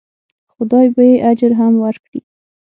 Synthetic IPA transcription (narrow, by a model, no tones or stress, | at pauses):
xʊd̪ɑjbajeʔad͡ʒɾɦamwaɾkɽi